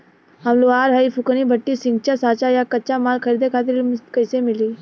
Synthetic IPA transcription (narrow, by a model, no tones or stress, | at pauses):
ɦəmloaːɾɦəipʰʊkənibʱəʈːisɪ̃ŋɡ̚t͡ʃasaːt͡ʃajakətːt͡ʃamaːlkʰəɾiːd̪ekʰaːt̪̬ɪɾkəɪsemɪliː